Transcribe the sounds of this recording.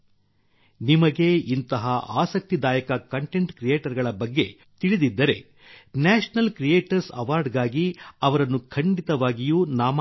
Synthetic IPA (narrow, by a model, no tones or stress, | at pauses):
nimɐɡe̞int̪ɐɦɐa̰ːsɐk̚t̪id̪aːjɐkɐkɐɳʈe̞ɳʈkɾijeːʈɐɾɡɐɭɐbɐɡːe̞ | t̪iɭid̪id̪ːɐɾe̞ | naːʂnɐlkɾijeːʈɐɾsɐ̰ʋaːɾɖɡaːɡiɐʋɐɾɐnːukʰɐɳɖit̪ɐʋaːɡijuːnaːm